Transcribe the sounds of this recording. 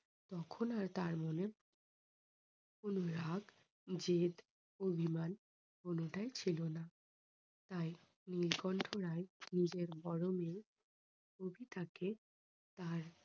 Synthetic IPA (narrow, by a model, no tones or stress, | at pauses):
t̪ɔkʰonaɾt̪aɾmone | onuɾaɡ | d͡ʑed̪ | obʱiman | onuʈaet͡ɕʰilona | t̪aj | nilɡɔɳʈʰoɾaenid͡ʑeɾbɔɽomeɾ | obʱit̪ake | t̪aɾ